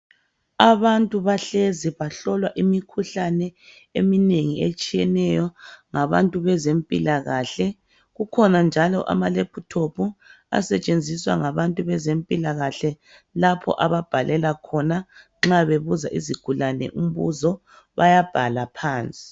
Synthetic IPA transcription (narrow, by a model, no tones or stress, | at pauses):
aβantʼuβaɬeziβaɬɔlwaʔimikʰuɬanɛ | emineŋiet͡ʃʼijɛnɛjɔŋaβa̰ntʼuβɛzempʼilaɣaɬɛ | ɣukʰɔnand͡ʒʱalɔʔa̰malepʰutʰopʰu | a̰sɛt͡ʃʼend͡zʱiswa̰ŋaβantʼuβɛzempʼilaɣaɬɛ | lapʰɔ̰ʔaβab̥ʱalʔɛlakʰɔnaŋ͡ǁaβeβuza̰ʔiziɡ̥ʱulanɛ̰ʔum̩βuzɔ | βajab̥ʱalapʰaːnt͡sʼi̥